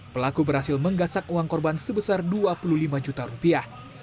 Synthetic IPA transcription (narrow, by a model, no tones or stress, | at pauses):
pəlakubəɾhasɪlməŋɡasak̚uaŋkɔrbansəbəsarduapululimad͡ʒut̪aɾupiah